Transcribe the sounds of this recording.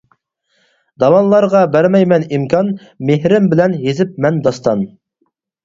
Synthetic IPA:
d̪ɑwɑnlˠɑɾʁɑbæɾmɛjmɛnimkʰʲɑn | mehɾɪmbɪlɛnjezɪp̚mɛnd̪ɑst̪ɑn

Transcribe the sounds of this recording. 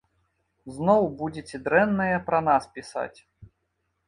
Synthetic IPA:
znɔwbud͡zʲet͡sʲɛd̪ɾɛnːɐjɐpɾɐnaspʲisa̰t͡sʲ

